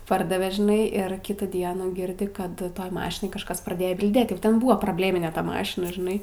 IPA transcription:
ˈpɐrdɐʋʲɛ ʒʲɪˈnɐɪ ɪr ˈkʲɪtuː ˈdʲiɛnuː ˈɡʲɪrʲdʲɪ ˈkɐt ˈtoːj ˈmɑːʃʲɪnoːj kɐʃˈkɐs prɐˈdʲeːjoː bʲɪlʲˈdʲeːt ˈjɛʊ ˈtʲɛn ˈbʊɐ proːbʲˈlʲeːmʲɪnʲɛ ˈtɐ ˈmɑːʃʲɪnɐ ʒʲɪˈnɐɪ

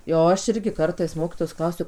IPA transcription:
jɛʊ ˈɐʃ ˈɪrʲɡʲɪ ˈkɐrtɐɪs ˈmoːkʲɪtoːjoːs ˈklˠɐʊsʲʊ

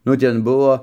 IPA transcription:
nʊ ˈtʲɛn ˈbʊʋoː

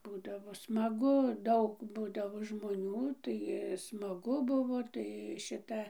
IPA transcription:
ˈbuːdɐʋoː smɐˈɡʊ ˈdɐʊk ˈbuːdɐʋoː ʒmoːˈnʲuː tɐɪ smɐˈɡʊ ˈbʊʋoː tɐɪ ˈʃʲɪtɐ

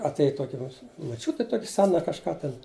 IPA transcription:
ɐtʲˈeːj ˈtoːkʲɪ moː moːˈt͡ʃʲʊtʲɪ ˈtoːkʲɪ ˈsʲæːnɐ kɐʃˈkɑː ˈtʲɛn

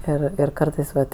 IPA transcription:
ˈɪr ɪr ˈkɐrtɐɪs ˈʋɐt

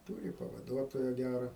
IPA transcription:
ˈtuːrʲɪ pɐʋɐˈduɔtoːjɛ ˈɡʲærɐ

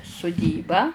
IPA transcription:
sʊˈdʲiːbɑː

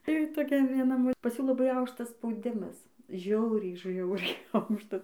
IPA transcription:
tɐɪ toːˈkʲɛ ʋʲiɛˈnɐ ˈmoː pɐs ˈjuː lˠɐˈbɐɪ ˈɐʊkʃtɐs spɐʊˈdʲɪmɐs ˈʒʲɛʊrʲɛɪ ˈʒʲɛʊrʲɛɪ ˈɐʊkʃtɐs

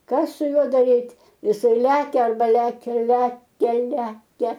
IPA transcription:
ˈkɐs sʊ ˈjuɔ dɐˈrʲiːtʲ jɪˈsɐɪ ˈlʲæːkʲɛ ɐrbɐ ˈlʲæːkʲɛ ˈlʲæːkʲɛ ˈlʲæːkʲɛ

